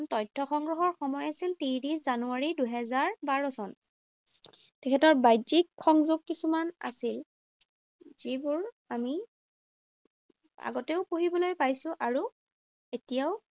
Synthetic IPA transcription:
ntɔjtʰːɔxɔŋɡɹɔɦɔɹxɔmɔjasiltidizanuaɹiduɦɛzaɹbaɹɔsɔn | tɛkʰɛtɔɹbajdikxɔŋzuɡ̚kisumana̰sil | zibʊɹ | ami | a̰ɡɔteʊpoɦibɔlojpajsʊʔaɹu | etijaʊ

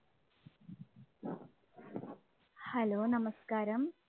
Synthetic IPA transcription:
hɐloːnɐmɐskaːɾɐm

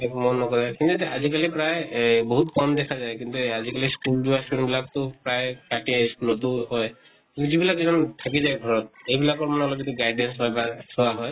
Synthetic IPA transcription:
ekmɔnːɔkɔzajkint̪utɛazikalipɹajboɦutkɔmd̪ɛkʰazajkint̪uazikaliskulduaskunbilaktʊpɹajkaʈiskulɔtʊhɔj | kĩnt̪uzibilakɛzɔnt̪ʰak̬izajɡʱɔɹɔt̪̚ejbilakɔɹmanɔlɔɡɛtʊɡajdɛnsbajbaɹsɔwaɦɔj

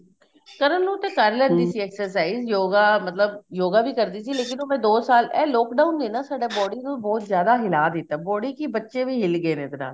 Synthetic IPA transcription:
kəɾəmnũːt̪ekaɾleɾd̪iːsiɛːksəɾs̬aːɪzjoːɡamɐt̪ləbjoːɡabʱikɐɾd̪isileːkɪnomẽd̪oːsaːlɛːlɔːkɖaːʊnd̪eːnasaːɖebɔːɽinobɔːt̪zjaːd̪aɦɪlaːd̪eːt̪abɔːɽikibətːʃebʱiɦɪlɡəenẽt̪na̰ː

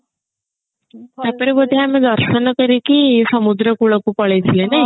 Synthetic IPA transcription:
t̪japəɾibəd̪ʱːiamid̪ɔɾʃənɔkəɾikisɔmud̪ɾəkuɭɔkupɔɭejt̪ʰilenaj

